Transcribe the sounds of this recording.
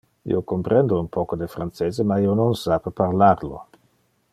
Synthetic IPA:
ḭokompɾɛnd̪ounpɔkod̪efɾant͡seːzemaiːononsapepaɾlaɾlo̰

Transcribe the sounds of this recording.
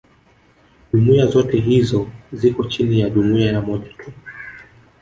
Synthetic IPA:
ʄumuazɔtɛɦizɔzikɔt͡ʃinijaɗumiajamɔʄḁtʰu

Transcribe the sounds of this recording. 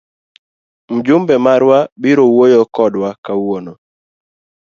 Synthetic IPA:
m̩d͡ʒʊmbɛmaɾwabiɾowojokɔdwakawono

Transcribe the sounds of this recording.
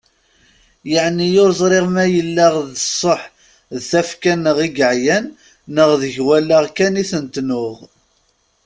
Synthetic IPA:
jəʕnijʊɾzˤɾˤeʁmæjəlːaʁðəsˤːoħ | ðθæfkænːəʁiɡəʕjænː | əʁðəʝwælːaʁkæniθənt̪nʊʁ

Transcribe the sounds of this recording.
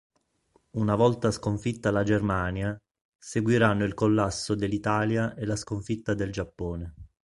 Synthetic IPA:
unavɔlt̪askoɱfit̪ːalad͡ʒermaːnja | seɡwiɾanːoilkolːasːod̪elːit̪aːljaʔelaskoɱfit̪ːad̪eld͡ʒapːoːne

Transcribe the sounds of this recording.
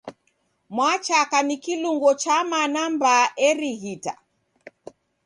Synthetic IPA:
mwat͡ʃakanikiluŋɡɔt͡ʃamanambaɛɾiɣita̰

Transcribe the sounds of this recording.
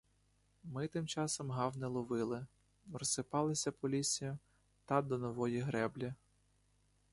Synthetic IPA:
mɪt̪ɪmt͡ʃɑsɔmɦɑwnɛlˠɔʋɪlˠɪ | rɔsɪpɑlˠɪsʲɐpɔlʲisʲijʊ | t̪ɑd̪ɔnɔʋɔjiɦɾɛblʲi

